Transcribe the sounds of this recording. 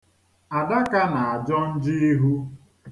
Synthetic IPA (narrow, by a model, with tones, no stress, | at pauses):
a˨da˦ka˦na˨a˨d͡ʒɔ˦n̩˦d͡ʒi˦i˦ɦu˦